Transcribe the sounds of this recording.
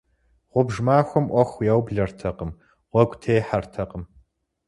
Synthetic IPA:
ʁʷʊbʒmaːxʷɔmʔʷɔxʷjawbɮɐrtʰɐqəm | ʁʷɔɡʷtʰeːjħartʰɐqəm

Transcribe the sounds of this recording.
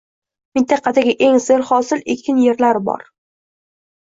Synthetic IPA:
mɪnt̪ʰɑqʰɑd̪aɡʲɪʔe̞ŋseɾχɒsɪlekʲʰɪnje̞ɾlaɾɪbɒ̰ɾ

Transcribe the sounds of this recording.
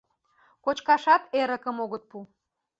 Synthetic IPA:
kot͡ɕkɑʃɑt̪eɾəkəmoɣət̪̚pu

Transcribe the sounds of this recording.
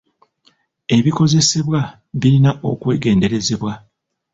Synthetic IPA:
e̞βiko̞ze̞se̞βwa | βiɾinaʔo̞̰kwe̞ːɡe̞ːnde̞ɾe̞ze̞βwa

